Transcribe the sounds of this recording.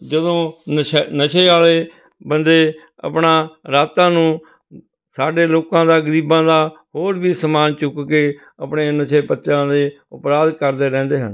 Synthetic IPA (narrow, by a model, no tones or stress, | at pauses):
d͡ʒəd̪õː | nəʃʰeːaːleː | bənd̪eː | ə̰pɳãːɾaːt̪ãːnũː | saːɖeːloːkãːd̪aːɡəɾiːbãːd̪aːhoːɾbiːsəmaːnt͡ʃʊkkeː | əpɳeːnəʃʰeːpətːt͡ʃãːd̪eː | ʊpɾaːd̪kəɾd̪eːɾɛ̃ːnd̪eːɦə̰n